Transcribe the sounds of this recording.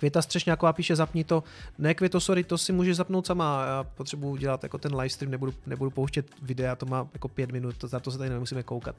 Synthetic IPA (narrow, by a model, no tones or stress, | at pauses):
kvjɛt̪ast̪r̥ɛʃɲaːkovaːpiːʃɛzapɲɪt̪o̞nɛkvjɛt̪osoɾɪt̪osɪmuːʒɛzapnowt̪samajaːpot̪r̥ɛbujuɟɛlat̪ja̰kot̪ɛnlajfst̪ɾiːmnɛbudunɛbudupowʃcɛt̪vɪdɛat̪omaːjako̞pjɛt̪mɪnut̪zat̪osɛt̪anɛɛmusiːmɛkowka̰t̪